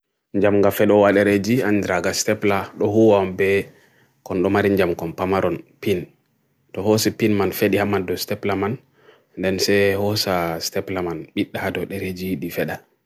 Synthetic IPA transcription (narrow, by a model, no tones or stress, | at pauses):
ɲd͡ʒamŋɡafɛɗɔwaɗɛɾed͡ʒiandɾaɡastɛplaɗɔɦuwambɛ | kɔnɗɔmaɾiɲd͡ʒamkɔnpamaɾɔnpin | tɔhɔsipinmanfeɗihamadɔstɛplaman | ndɛnsɛhɔsastɛplamanɓiɗːahadɔɗɛɾed͡ʒiiɗifɛɗa